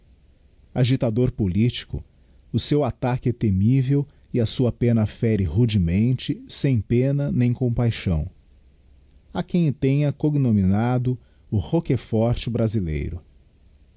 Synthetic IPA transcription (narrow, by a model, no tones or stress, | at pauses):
aʒit̪ad̪oɾpolit͡ʃi̥kʊ̰ | ʊsewat̪akɪt̪emivew | ɪɐsuɐpẽnɐfɛɾɪhud͡ʒimẽnt͡ʃɪsẽj̃pẽnɐnẽj̃kõpajʃɐ̃w̃ | akẽj̃t̪ẽj̃ɐkoɡnominad̪ʊ | ʊhokefɔɾt͡ʃɪbɾazilḛjɾʊ